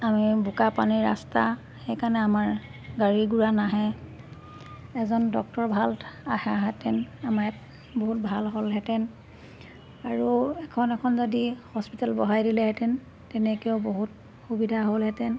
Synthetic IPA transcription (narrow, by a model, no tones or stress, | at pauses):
amibukapaniɹa̰sta | xejkanɛamaɹɡaɹiɡuɹanaɦɛ | ɛzɔndɔk̚tɔɹbʱalahaɦɛtɛnamaɛt | boɦutbʱalɦolɦɛtɛn | aɹuɛkʰɔnɛkʰɔnzodihɔspitalbɔ̰ɦajdilɛɦɛtɛn | tɛnɛkioboɦut | xubidʱaɦolɦɛtɛn